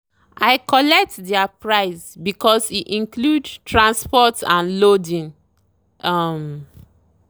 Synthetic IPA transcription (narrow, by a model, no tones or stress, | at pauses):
ʔaɪkɔlɛk̚tdɛapɹaɪsbikɔsiʔĩŋkludtɹãnspɔtãnlodĩŋ | am